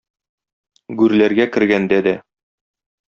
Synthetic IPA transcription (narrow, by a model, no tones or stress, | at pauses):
ɡʉɾlæɾɡækɘ̆ɾɡænd̪æd̪æ